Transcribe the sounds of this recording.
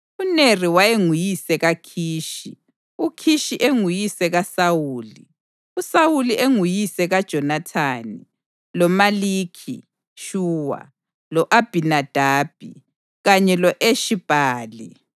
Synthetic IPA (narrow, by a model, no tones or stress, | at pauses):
uneriwajeŋujisɛɣakʰiːʃḭ | ukʰiʃiʔeŋujisɛɣasawuːli | usawuliʔeŋujisɛɣad̥ʒ̥ʱɔnatʰaːni | lɔmaliːkʰḭ | ʃuːwa̰ | lɔʔab̥ʱinad̥ʱaːb̥ʱḭ | ɣaɲɛlɔʔeʃib̥ʱaːli